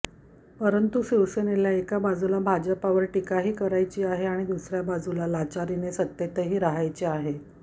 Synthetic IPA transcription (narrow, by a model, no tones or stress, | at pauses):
pəɾənt̪uɕiʋseneljaekabad͡zulabʱad͡ʑəpaʋəɾʈikaɦiːkəɾajt͡ɕiːaɦeaɽ̃id̪usɾjabad͡zulalat͡ɕaɾinesət̪jet̪əɦiːɾaɦajt͡ɕiaɦe